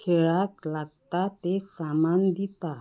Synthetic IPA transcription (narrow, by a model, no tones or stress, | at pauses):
kʰeɭaklaɡ̚t̪at̪esamand̪it̪a